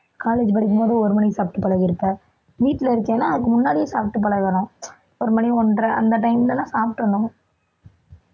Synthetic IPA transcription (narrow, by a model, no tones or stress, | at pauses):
kaːleːd͡ʒpɐɽɪk̬ːɯmpoːðɯɔɾɯmɐnisaːp̚ʈːɯpɐɭɐɣɪɾɯpːɐ | ʋiːʈːɪlɐɪɾɯkːẽːnːãːɐðɯkːɯmʊnːaːɽɪjɐsaːp̚ʈːɯp̬ɐɭɐɣɐnʊ̃ | ɔɾɯmɐniɔndɾɐʔɐ̰nd̪ɐʈɐɪmlɐnːãːsaːp̚ʈɯʋɐɳːʊ̃ŋ